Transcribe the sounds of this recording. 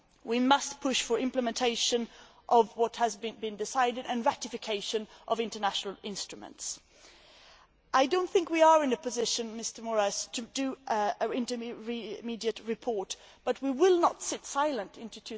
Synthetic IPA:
wimʌst̚pʰʊʃfə˞ɪ̃mpləmɨ̃ntʰeɪʃɨ̃n | ʔʌvwʌt̚hɨzbɨ̃bɨ̃ndɨsaɪɾɨɾɨ̃nɹæɾɨfɨkʰeɪʃɨ̃nʔʌvɪ̃ntə˞næʃnl̩ˠɪ̃nstɹ̥ɨmə̰̃nts | ʔaɪdõʊ̃nθɪ̃ŋkwiə˞ɨ̃nɨpʰɨzɪʃɨ̃nmɪstə˞mɔɹaɪstʰɨdɨɪ̃ntəɹimidiɨt̚ɹɨpʰɔɹt̚ | b̥ʌt̚wiwɪlˠnətsɪtsaɪlˠə̃ntʰɪ̃ntʉtʰʉ

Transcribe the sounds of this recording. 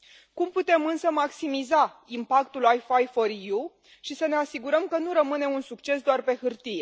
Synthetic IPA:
kumput̪e̞mɨnsəmaksimizaimpak̚t̪ulajfajfoɾju | ʃisəne̞asiɡuɾəmkənuɾəmɨne̞unsukt͡ʃe̞s̬d̪oarpe̞hɨrt̪ije̞

